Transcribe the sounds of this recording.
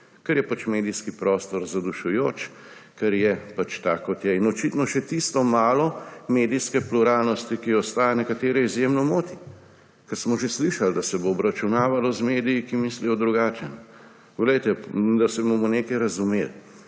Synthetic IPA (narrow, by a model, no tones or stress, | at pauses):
kɐɾjɛpat͡ʃmeːd̪iskipɾɔːst̪ɔɾzad̪uʃujoːt͡ʃ | kɛɾjɛpat͡ʃt̪aːkɔt̪jɛinɔt͡ʃit̪nɔʃɛt̪ist̪ɔmaːlɔmeːd̪iskɛpluɾaːlnɔst̪ikiɔst̪aːjanɛkat̪eːɾɛizjemnɔmoːt̪i̥ | kɛɾsmɔʒesliʃald̪asɛboːbɾat͡ʃunaːʋalɔzmeːd̪ijikimislijɔd̪ɾuɡaːt͡ʃɛn | ʋɛlɛjt̪ɛd̪asɛbomɔneːkɐjɾɐzumel